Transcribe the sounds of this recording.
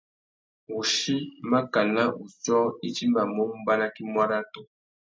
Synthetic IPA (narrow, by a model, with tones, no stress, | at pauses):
u˨ʃi˦ma˦ka˨la˦u˨t͡ʃɔ˦i˦t͡ʃi˦ma˨mɔ˦mu˦ba˦na˦ki˦mwa˦ɾa˦to˦